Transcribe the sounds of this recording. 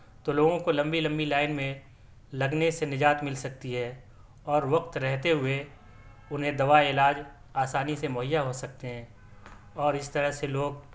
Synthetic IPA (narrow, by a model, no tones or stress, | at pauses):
t̪oloːɡõkolɐ̃mbilɐ̃mbilaːɪnmẽ | lɐɡnesenɪd͡ʒaːt̪mɪlsɐk̚t̪iɦɛː | ɔːɾʋɐq̚t̪ɾɛɦt̪eɦʊe | ʊnɦẽd̪ɐʋaɪlaːd͡ʒ | aːsaːnisemʊɦɪjːaɦosɐk̚t̪eɦɛ̃ː | ɔːɾɪst̪ɐɾəɦseloːɡ